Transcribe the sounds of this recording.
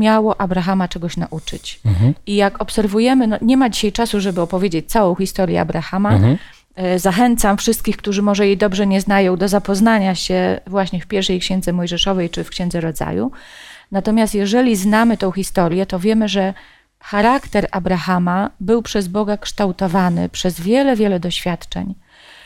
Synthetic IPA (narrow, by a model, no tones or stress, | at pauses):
mʲjawɔʔabɾaxamat͡ʂɛɡɔɕnaʔut͡ʂɘ̰t͡ɕijakɔpsɛɾvujɛmɘnɔɲɛmad͡ʑiɕajt͡ʂasuʐɛbɘɔpɔvʲjed͡ʑet͡ɕ̚t̪sawɔ̃w̃xʲist̪ɔɾjɛ̰a̰bɾaxama | zaxɛnt̪samfʂɘst̪̚kʲixk̚t̪uʐɘmɔʐɛjid̪ɔbʐɛɲɛznajɔ̃w̃d̪ɔzapɔznaɲaɕɛvwaɕɲɛfpʲjɛɾfʂɛjkɕɛnd̪zɛmɔjʐɛʂɔvɛjt͡ʂɘfkɕɛnd̪zɛɾɔd̪za̰jṵnat̪ɔmʲjast̪jɛʐɛlʲiznamɘt̪ɔ̃w̃xʲist̪ɔɾʲjɛt̪ɔvʲjɛmɘʐɛ | xaɾakt̪ɛɾabɾaxamabɘwpʂɛzbɔɡakʂt̪awt̪ɔvanɘ̰pʂɛzvʲjɛlɛvʲjɛlɛd̪ɔɕfʲjat̪t͡ʂɛ̰ɲ